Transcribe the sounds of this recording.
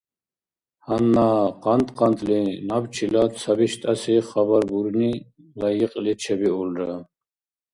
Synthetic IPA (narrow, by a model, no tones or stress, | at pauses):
hanːaːqant̪ʼqʰʼant̪ʼlinabt͡ʃʰilasʰabiʃt̪ʼasiχabaɾbuɾni | lajiqʼlit͡ʃʰɛbiɔlɾa